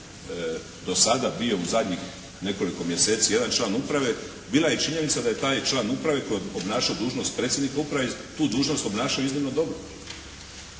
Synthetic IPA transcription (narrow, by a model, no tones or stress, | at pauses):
d̪o̞sad̪abijo̞uzad̪ɲix | ne̞ko̞liko̞mje̞se̞ːt̪sije̞d̪ant͡ʃlˠaːnupɾaʋe̞ | biːlˠajet͡ʃiɲe̞nit̪sad̪aje̞t̪aːjt͡ʃlaːnupɾaʋe̞kojeobnaːʃaod̪uːʒnost̪̚pɾe̞ːt̪sʲjed̪nikaupɾaʋet̪uːd̪uːʒno̞st̪o̞bnaːʃaoiznimno̞d̪o̞bɾo